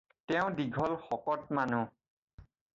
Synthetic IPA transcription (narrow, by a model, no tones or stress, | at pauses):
tɛʊ̃diɡʱɔlxɔkɔt̚manu